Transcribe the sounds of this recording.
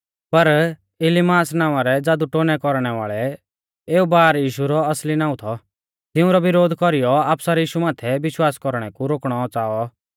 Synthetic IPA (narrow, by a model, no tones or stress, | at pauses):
pɐɾ | ɪlimaːsnaːʋãɾɛd͡zaːd̪uʈoːnɛkɔɾɽ̃ɛʋa̰ːɭɛ | eːubaːɾjiːʃuɾɔɐslinãːũt̪ʰɔ | t̪ɪũɾɔʋɪɾoːd̪ʱkɔɾijɔaːpsaɾɛjiːʃumaːt̪ʰɛʋɪʃwaːskɔɾɽ̃ɛkuɾoːkɽ̃ɔt͡saːɔ